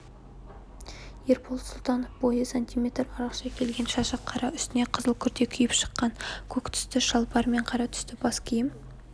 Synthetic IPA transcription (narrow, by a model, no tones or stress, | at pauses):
jeɾpʰolˠt̪sʊlˠt̪ɑnofb̥o̞jəsanʲt̪ijmʲe̞t̪rɑɾɑqʃɑkʲʰe̞lɡʲe̞nʃɑʃɑqʰːɑɾɑʏst̪ɪne̞qʰəzəlˠkʲʰʏɾt̪e̞kʲʰʏjɪpʃə̥qːɑŋkʲʰɵkt̪ʰʏ̥st̪ɪʃɑlˠpɑɾme̞ɴqʰɑɾɑt̪ʰʏ̥st̪ɪb̥ɑskʲʰijɪm